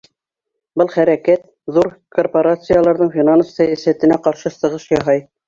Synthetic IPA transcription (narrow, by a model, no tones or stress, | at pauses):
bɤlˠχæɾækæt̪ | ðuɾkorpoɾat̪sɨjalˠɑɾðɤɴfʲinanssæjæsæt̪ɘ̆næqɑɾʃɤsɤ̆ʁɤʃjɑɦɑj